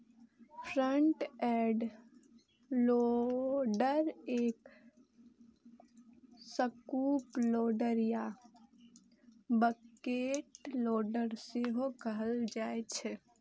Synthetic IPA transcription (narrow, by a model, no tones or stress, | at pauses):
pʰɾəɳʈɛɖ | lo | ɖəɾeːk | səkuːploːɖəɾja | bəkeʈloːɖəɾseɦokəɦəld͡ʒaːet͡ʃʰɛ